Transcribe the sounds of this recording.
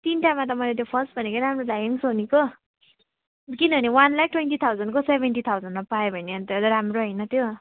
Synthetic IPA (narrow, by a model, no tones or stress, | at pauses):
t̪inʈamːat̪̬ʌmʌjlet̪̬jopʰʌsʈ̚bʱʌnekoɾamrolaɡʌŋsoniko | kinʌbʱʌniwanlak̚ʈwenʈit̪ʰawd͡zʌnkosebʱenʈit̪ʰawd͡zʌndmapajobʱʌneʌnt̪ɾamroɦʌjnʌt̪ʰjo